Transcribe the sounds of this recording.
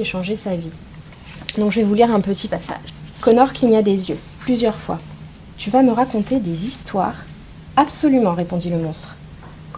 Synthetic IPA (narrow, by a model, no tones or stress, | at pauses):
eʃɑ̃ʒesavi | nɔ̃ʒəvɛvuliʁɛ̃pət̪ʰipasa̰ʒkɔnɔʁkliɲad̪ezjø | plyzjœʁfwa̰ | t̪yvaməʁakɔ̃t̪ed̪ezist̪wa̰ːʁ | apsɔlymɑ̃ʁepɔ̃d̪iləmɔ̃st̪χ | k